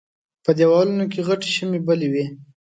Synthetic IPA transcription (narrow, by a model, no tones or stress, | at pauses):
pəd̪ewɑlunok̬eɣaʈe̥ʃəmebəlewe